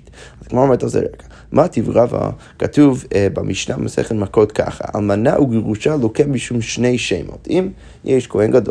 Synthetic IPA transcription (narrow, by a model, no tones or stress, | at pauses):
tazɡmaɾɔmɛɾtozɛ̰ɾakḁ | mʔatʰivʁava̰ | katuvbamʔiʃnabmasɛ̰χəlˠmakɔtkʰa̰χa̰a̰lˠmanaʔuɡəʁuʃalˠokɛmbiʃumʃneɪʃeɪmo̰tim | jʔeʃkohɛnɡado